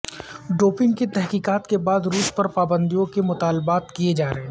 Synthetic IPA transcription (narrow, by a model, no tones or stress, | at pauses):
ɖoːpɪ̃ŋɡkit̪ɛɦkiːkaːt̪kebaːd̪ɾuːspɐɾpaːbə̃nd̪ijõkemʊt̪aːlbaːt̪kijed͡ʒaːɾɐɦẽː